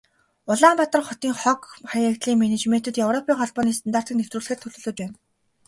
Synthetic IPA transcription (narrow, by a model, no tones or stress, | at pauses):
ʊɮaːmpat̪ə̆rχɔt̪iːŋχɔkχajakt̪ɮiːŋmenet͡ɕmen̥t̪ʰɘ̆t̪jewrɔpʰiːŋχɔɮpɔːniːs̬t̪ʰant̪aːr̥t̪iːknewt̪rŭːɮɘ̆xĕːrt̪ʰɵɮɵ̆ɮɵ̆t͡ɕpæːn